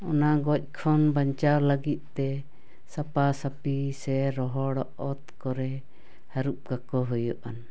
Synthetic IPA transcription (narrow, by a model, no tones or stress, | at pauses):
ɔnaɡɔc̚ˀkʰɔnbaɲt͡ʃawlaɡit̪̚ˀt̪ɛ | sapasapisɛɾɔɦɔɽɔʔɔt̪kɔɾɛ | haɾup̚ɡakɔɦɔjɔʔan